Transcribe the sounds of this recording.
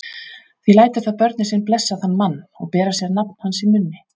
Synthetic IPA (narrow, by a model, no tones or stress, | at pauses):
θvilaːjt̪ʏɾ̥θaðpœɾt̪nɪsɪnplɛsːaðanːmanːɔ̰ɣpɛːɾasjɛɾnapn̥hansimʏnːɪ